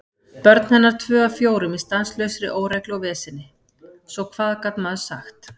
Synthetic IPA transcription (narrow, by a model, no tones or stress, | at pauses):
pœɾt̪nhɪnːaɾ̥t̪ʰvœːafjoːwɾʏmɪ̥st̪anslœːɥsɾɪ̰ʔoːwɾɛklawvɛːsɪnːɪ | sɔwkʰv̥aːðkat̪nmaðʏ̥saxt̪